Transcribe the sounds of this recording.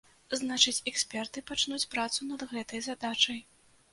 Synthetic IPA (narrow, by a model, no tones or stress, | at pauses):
znat͡ʂɨt͡sʲɛksʲpʲɛrt̪ɨpat͡ʂnut͡sʲpɾat̪sunɐd̪ɣɛt̪ɐjzad̪at͡ʂɐj